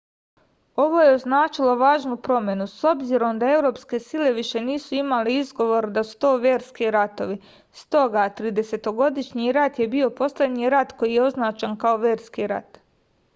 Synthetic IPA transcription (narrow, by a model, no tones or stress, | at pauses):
o̞ʋo̞jeo̞znaːt͡ʃilo̞ʋaːʒnupɾo̞mje̞nuso̞bziɾo̞md̪ae̞wɾo̞ːpske̞sile̞ʋiʃe̞niːsuimaliizɡo̞ʋo̞ɾd̪asu̥t̪o̞ːʋje̞ːɾskiɾat̪o̞ʋi | st̪o̞ɡat̪ɾiːd̪e̞se̞t̪o̞ɡo̞d̪iʃɲiɾat̪je̞bio̞po̞slʲed̪ɲiɾat̪ko̞jije̞o̞znaːt͡ʃankao̞ʋje̞ːɾskiɾa̰t̪